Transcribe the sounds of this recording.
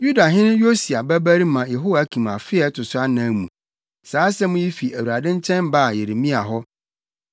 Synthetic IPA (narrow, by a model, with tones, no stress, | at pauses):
ju˦da˨ɦɪ̃˦nʊ̃˦jo˦si˨a˨bæ˦bæ˦ɾi˦mã˨jɛ˨ɦo˦wa˨˦kʰĩ˨mã˨fɪ˦ɛ˦tʰʊ˨sʊ˦a˦nã˦mũ˨ | saː˨˦sɛ˦mʊ̃˦ji˦fi˨ʔæ˨wu˨ɾa˨dɪ̃˦ɲ˦t͡ɕʰɛ̃˦nba˦˨je˨ɾe˨mĩ˦a˨ɦɔ˦